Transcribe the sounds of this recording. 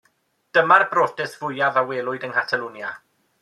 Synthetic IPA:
d̥əmarbroːtɪsv̥ʊjavaweːlˠʊɨdənkʰatʰaluːnja

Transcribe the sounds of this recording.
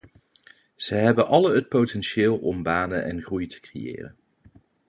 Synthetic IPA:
z̥əjɦɛbənʔɑləɦət̚powtɛnʃɪːlˠɔmbaːnənɛ̰nχrujtʰə̥krḛjɪ̰ːrə̰n

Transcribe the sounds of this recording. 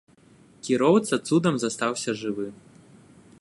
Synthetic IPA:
kʲiɾɔwt̪sɐt̪sud̪ɐmzɐst̪awsʲɐʐɨvɨ

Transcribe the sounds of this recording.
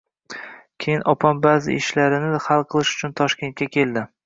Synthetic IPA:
kʲʰejɪnʔɒpʰambaːzɪ̰ɪʃlaɾɪnɪhalˠqʰɨlˠɪʃʊ̥t͡ʃʰʊnt̪ʰɒʃkʲe̞nt̪̚kʲakʲʰe̞ld̪ɪ

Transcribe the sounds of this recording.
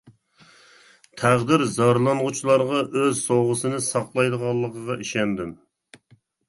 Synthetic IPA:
t̪ʰæʁd̪ɪɾzɑɾlˠɑnʁut͡ʃʰilˠɑɾʁɑʔøzsoʁəsɨnɨsɑqlˠɑjd̪əʁɑlˠːəqəʁɑiʃɛnd̪ɪm

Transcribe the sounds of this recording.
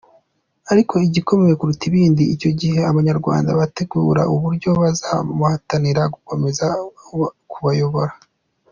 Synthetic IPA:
aɾikʰo̞iɟiko̞mejekuɾutiβiːndiːco̞ɟihe̞aβaɲaɾɡwa̰ːndaβate̞ɡuːɾa̰uβuɾɟo̞βazamuhataniɾaɡuko̞me̞za | kuβajo̞βo̞ɾa

